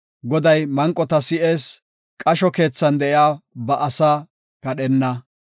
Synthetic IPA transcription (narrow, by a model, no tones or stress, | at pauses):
ɡɔd̪ɐjmɐŋkʼːɔt̪ɐsɪʔeːs | kʼɐʃɔke̞ːt͡sːɐnd̪ɛʔɪaːbɐʔɐsaː | kɐɗɛnːɐ